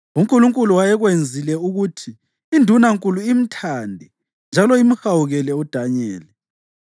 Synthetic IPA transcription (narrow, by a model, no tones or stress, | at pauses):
uŋkʼuluŋkʼuluwajɛɣwend͡zʱilɛuɣutʰiː | ndʱunaŋkʼuluim̩tʰaːndʱɛ | nd͡ʒʱalɔim̩xawuɣɛlɛud̥ʱaɲɛːlɛ